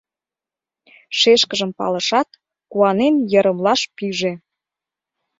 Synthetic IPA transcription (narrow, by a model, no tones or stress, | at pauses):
ʃeʃkəʒəmpɑ̰lə̆ʃɑt̪ | kuɑnenjə̆ɾəmlɑʃpiʒe